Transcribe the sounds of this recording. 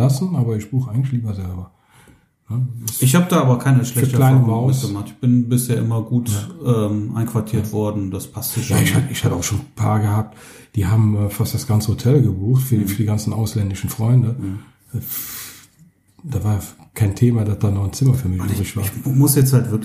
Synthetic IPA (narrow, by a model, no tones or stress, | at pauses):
asn̩ʔaːbɐɪçb̥uːχəʔaɪɡŋ̩tlɪçliːbɐzɛlbɐ | nəaɪçhaːbədaːʔaːbɐkʰaɪnəʃlɛtlaɪnəmaʊsɡəmaχtɪçb̥ɪnbɪsheːɐʔɪmɐɡuːtaʔɛːmʔaɪnkv̥aɐtʰiːɐtv̥ɔɐdn̩d̥aspʰastəʃaɪʃhatɪçhatəaʊʃoːnpʰaːɐɡəhaːp̚t | d̥iːhaːbm̩ɛːfastd̥asɡ̥ant͡səhotʰɛlɡəbuːxtfyːɐfyːɐdiɡant͡sn̩aʊslɛndɪʃn̩fʁ̥ɔʏndə | ʔɛːf | d̥avaːjakʰaɪntʰeːmadasd̥aːnɔχnt͡sɪmɐfyːɐmɪʃzɪʃv̥aːɐmʊsjɛt͡shaltv̥ɪɐk